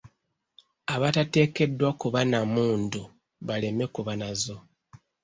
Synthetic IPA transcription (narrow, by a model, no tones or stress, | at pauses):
aβatate̞ːke̞dːwakuβanamuːndu | βale̞me̞kuβanazo̞